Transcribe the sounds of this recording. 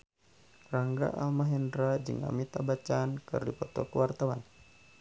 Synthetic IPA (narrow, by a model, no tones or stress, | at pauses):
raŋɡa̰ʔalmaɦɛndɾad͡ʒɨ̰ŋa̰mit̪abat͡ʃaːnkɨ̰rdipɔt̪ɔkuwart̪awan